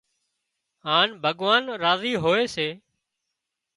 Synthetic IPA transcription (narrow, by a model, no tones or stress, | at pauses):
ɦaːnbʱəɠʋaːnɾaːziːɦoːeːseː